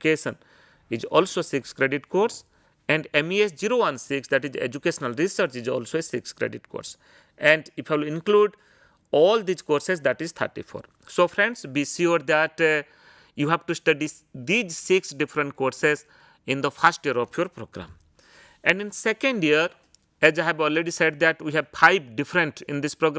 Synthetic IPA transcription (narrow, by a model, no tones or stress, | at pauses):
keːʃə̃n | id͡ʒɔ̰ːlsoːsɪkskɾeɖɪʈkoːɾs | ɛ̃ɳɖɛ̃miesd͡ʒiɾoːʋãnsɪksd̪æʈizḛd͡ʒukeːʃənəlɾisəɾt͡ʃid͡ʒɔ̰ːlsoːesɪkskɾḛɖɪʈko̰ːɾs | ɛ̃ɳɖɪfʰajʋɪlɪ̃nkluːɖ | ɔːld̪iːzkoːɾsezd̪æʈizt̪ʰə̰ɾʈḭfʰo̰ːɾ | soːfɾɛ̃ɳɖsbiʃuɾd̪æʈ | juːɦæʋʈusʈəɖi | d̪iːd͡ʒsɪksɖɪfɾə̃ɳʈkoːɾsez | ɪ̃nd̪əfʰasʈjiəɾɔfʰjoɾpɾoːɡɾã̰m | ɛ̃ɳɖɪ̃nsɛkə̃ɳɖjiəɾ | ɛzaɦɛʋɔːlɾeɖiseɖ̚d̪æʈwiɦɛʋfʰaɪbɖɪfɾə̃ɳʈɪ̃nd̪ɪspɾoɡɾ